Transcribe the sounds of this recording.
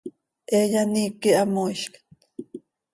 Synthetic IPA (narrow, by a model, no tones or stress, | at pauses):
ʔejanikiʔamojʃkt̪